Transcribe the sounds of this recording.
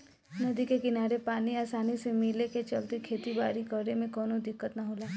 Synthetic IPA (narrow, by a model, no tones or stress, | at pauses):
nəd̪ikekɪnaɾepaːniasanisemileket͡ʃəlt̪ekʰet̪ibaɾikəɾemẽkɔnod̪ɪkːət̪naɦola